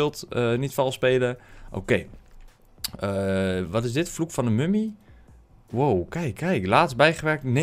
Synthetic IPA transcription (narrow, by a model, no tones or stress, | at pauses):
ɪlˠtənitfɔlˠspeːləʔo̰ːkej | əʋɔtɪsdɪtəflukfɔndəmømi | wowkɛjkʰːɛjklaːtsbɛjχəʋɛrk̚tne